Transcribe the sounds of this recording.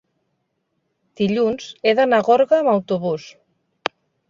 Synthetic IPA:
d̪̥iʎunzeðanaɣoɾɣaːmawt̪uβus

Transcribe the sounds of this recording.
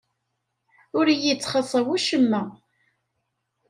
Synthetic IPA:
ʊɾjit͡sːχəsˤɑwuʃəmːæ

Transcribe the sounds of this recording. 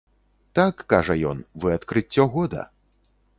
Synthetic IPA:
t̪akːaʐɐjɔ̰nvɨɐt̪kɾɨt͡sʲːɔɣɔd̪ɐ̰

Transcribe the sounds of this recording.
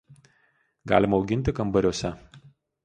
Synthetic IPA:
ɡɑ̰ːlʲɪmɐɔʊɡʲɪnʲˑt̪ʲɪkɐmbɐɾʲuɔsʲɛ

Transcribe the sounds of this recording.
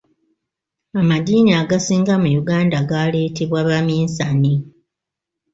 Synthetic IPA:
amadiːniaːɡasiːŋɡamujuɡaːndaɡale̞ːteβwaβamiːnsani

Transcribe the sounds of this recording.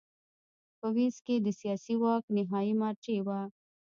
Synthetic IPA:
pɐwisked̪əsijɑːsiwɑːknɪɦɑːimaːɾt͡ʃewa

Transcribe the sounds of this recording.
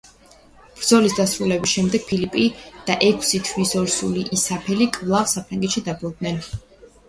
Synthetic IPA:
b̥ɾd̪zɔlisd̪asɾulɛbisʃɛmd̪ɛɡ̥̚pʰilipʼid̪̥aʔɛkʰsit̪ʰwisɔɾsuliʔisapʰɛlikʼvlˠaʁsapʰɾaŋɡɛt̪ʃid̪abɔd̪̚nɛn

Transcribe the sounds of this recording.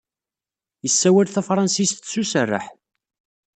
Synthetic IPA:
jəsːæwælθæfɾˤɑnsist̪susərˤːə̰ħ

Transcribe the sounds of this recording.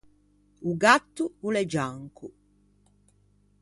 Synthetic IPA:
uɡat̪ːuulɛd͡ʒaŋku

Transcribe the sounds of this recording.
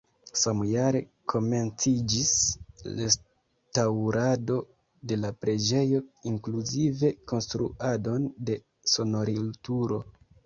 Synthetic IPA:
samjaɾe̞kʰo̞me̞nt͡sid͡ʒisles | tawɾado̞ | de̞lapɾe̞d͡ʒe̞jo̞iŋkluzive̞ko̞nstɾṵado̞nde̞ | so̞no̞ɾiltuɾo̞

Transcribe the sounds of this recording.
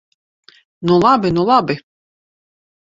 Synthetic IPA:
nulˠabinulˠabi

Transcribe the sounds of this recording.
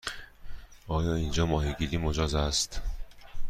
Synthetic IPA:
ʔɒːjɒːind͡ʒɒːmɒːɦiɡiɾiːmod͡ʒɒːzæst̪

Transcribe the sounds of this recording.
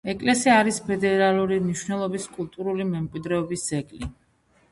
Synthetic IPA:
ɛkʼlɛsiaːɾispʰɛd̪ɛɾalˠuɾimniʃwnɛlˠɔbiskʼulˠt̪ʼuɾulimɛmkʼwid̪ɾɛɔbisd̪zɛkʼli

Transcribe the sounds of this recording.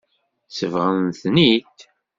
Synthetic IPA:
səvʁənθnit̪

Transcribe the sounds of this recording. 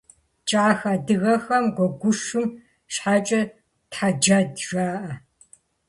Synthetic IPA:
t͡ʃʼaːxadɨɣɐxɐmɡʷɔɡʷʊʂɨm | ʃħaːt͡ʃʼɐ | tħad͡ʒadʒaːʔɐ

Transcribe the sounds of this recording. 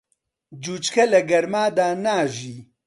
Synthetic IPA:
d͡ʒuːt͡ʃkʰɐlɐɡɐɾmaːd̪aːnaːʒiː

